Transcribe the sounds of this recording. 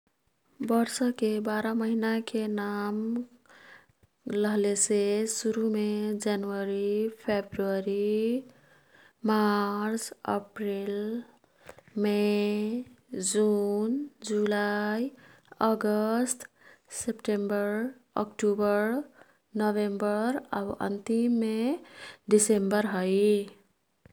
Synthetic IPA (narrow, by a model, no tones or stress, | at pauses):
bʌɾsʌkebaɾaməɦinakenam | ləɦlesesuɾumed͡ʒanəɾipʰebɾuəɾi | maɾt͡ʃə̰pɾil | me | d͡zund͡zulajʌɡʌst̪ | sepʈembʌɾ | ʌ̰kʈubʌɾ | nʌbembʌɾʌ̰bʔʌ̰nt̪imːe | ɖisembʌrɦʌj